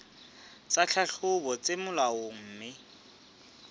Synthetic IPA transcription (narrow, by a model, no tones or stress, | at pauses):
t͡sat͡ɬʰaɬʰʊbɔt͡sɪmʊlaʊŋ̩ːmɪ